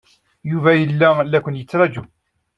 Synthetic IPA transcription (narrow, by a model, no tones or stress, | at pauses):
juvæjəlːælækʷənjət͡sːɾˤɑd͡ʒu